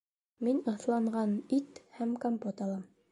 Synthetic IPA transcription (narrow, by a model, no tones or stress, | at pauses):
minɤ̆θlˠɑɴʁɑnit̪hæmkompot̪ɑlˠɑm